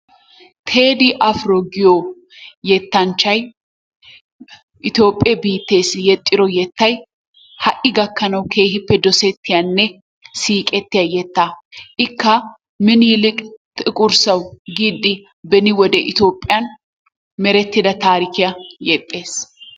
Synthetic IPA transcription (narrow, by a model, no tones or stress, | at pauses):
t̪ʰe̞ːd̪ɪʔɐfɾoɡɪjo | jɛt̪ːɐnt͡ʃːɐj | ʔɪt̪jo̞ːpʼːebiːt̪ːe̞ːsjɛt̪ʼːɪɾɔjɛt̪ːɐj | hɐʔɪɡɐkːɐnɐwkʰe̞ːhɪpːɛd̪ɔsɛt̪ːɪjɐnːɛ | siːkʼɛt̪ːɪjɐjɛt̪ːaːʔɪkːɐ | mɪniːlɪkʼt̪ɪkʼʊɾsɐwɡiːd̪ːɪ | bɛnɪwɔd̪ɛʔɪt̪o̞ːpʼːɪjɐn | mɛɾɛt̪ːɪd̪ɐt̪aːɾɪkɪjɐjɛt̪ʼːe̞ːs